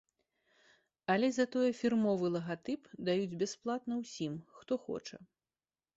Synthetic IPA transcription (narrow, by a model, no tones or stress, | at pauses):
ɐlʲɛzɐt̪ɔjɛfʲirmɔvɨlˠɐɣat̪ɨpd̪ajud͡zʲbʲɛsplˠat̪nɐwsʲimxt̪ɔxɔ̰t͡ʂɐ̰